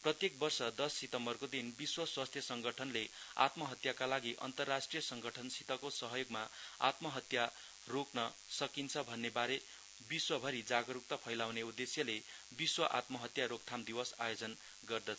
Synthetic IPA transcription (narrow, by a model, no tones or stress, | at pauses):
prʌt̪jek̚bʌrsʌd̪ʌsːit̪ʌmbʌrkod̪inbiswʌswast̪ʰjʌsʌŋɡʌʈʰʌnlea̰t̪mʌɦʌt̪jakalaɡiʔʌ̰nt̪ʌrːasʈrijʌsʌŋɡʌʈʰʌnsit̪ʌkosʌɦʌjoɡmaa̰t̪mʌɦʌt̪ja | roknʌ | sʌkint͡sʰʌbʱʌnːebaɾe | biswʌbʱʌɾid͡zaɡʌɾuk̚t̪ʌpʰʌjlawneud̪esjʌle | biswʌʔa̰t̪mʌɦʌt̪jaɾok̚t̪ʰamd̪ibʌsa̰jod͡zʌn | ɡʌrd̪ʌt͡sʰ